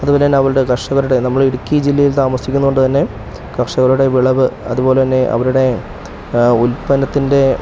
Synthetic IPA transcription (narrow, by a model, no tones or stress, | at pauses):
ɐðubɐlejaːnɐʋɐɾuɽe̞kɐrʂɐɣɐɾuɽe̞nɐmːɐɭiɽukʲːiɐd͡ʑilːɐjilt̪aːmɐsikʲːunːuɣoɳɖɨt̪ɐnːe̞ | kɐrʂɐɣɐɾuɽe̞ʋiɭɐʋɨɐ̰ðuboːle̞t̪ɐnːe̞ʔɐ̰ʋɐɾuɽe̞ | ulpɐnɐt̪ːinde̞